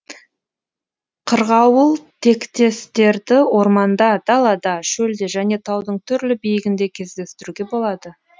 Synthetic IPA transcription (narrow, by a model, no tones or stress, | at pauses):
qʰəɾʁɑwəlˠt̪ʰe̞kt̪e̞st̪e̞ɾd̪ɪwo̞ɾmɑnd̪ɑd̪̥ɑlˠɑd̪ɑʃɵld̪eʒæne̞t̪ʰɑwd̪əɴt̪ʰʏɾlɪbijɪɡʲɪnd̪e̞kʲʰe̞zd̪e̞st̪ɪɾuɡʲe̞bo̞lˠɑd̪ə